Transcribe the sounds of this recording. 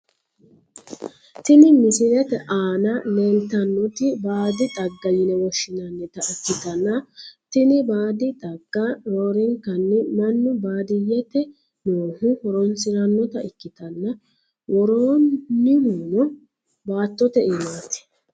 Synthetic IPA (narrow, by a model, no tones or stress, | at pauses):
t̪ɪnɪmɪsɪɾɛt̪ɛʔaːnɐneːlt̪ɐnːɔt̪ɪbaːd̪ɪt̪ʼɐɡːɐjɪnɛwɔʃːɪnɐnːɛt̪ɐɪkːɪt̪ɐnːɐt̪ɪnɪbaːd̪ɪt̪ʼɐɡ̥ːɐɾoːɾɪŋkɐnːɪmɐnːʊbaːd̪ɪjɛt̪ɛ | noːhʊwɔɾɔnsɪɾɐnːɔt̪ɐɪkːɪt̪ɐnːɐ | wɔɾoːɪhuːnɔ | baːt̪ːɔt̪ɛɪmaːt̪ɪ̥